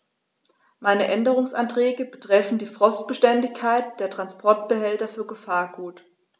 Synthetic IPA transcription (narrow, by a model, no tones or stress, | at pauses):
maɪnəʔɛndəʁʊŋsʔa̰ntʁ̥ɛːɡəbətʁ̥ɛfn̩diːfʁ̥ɔst̚b̥əʃtɛndɪçkʰːaɪt̚d̥eːɐtʁ̥anspʰɔɐt̚b̥əhɛltɐfyːɐɡəfaːɐɡuːt